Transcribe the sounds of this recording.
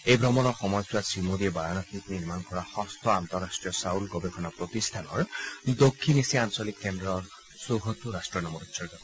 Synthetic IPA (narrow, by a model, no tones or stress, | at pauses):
ejbʱɹɔmɔnɔɹxɔmɔjsuasɹimodiɛbaɹanɔkʰikniɹmankɔɹaxɔ̃st̪ʰɔant̪ɔɹastɹijɔsawlɡɔbekʰɔnapɹot̪ist̪ʰanɔɹd̪okʰːinisiansɔlikːɛndɹɔɹ | soɦot̪uɾastɹiɔnɔmɔɾutsɔɹɡɔ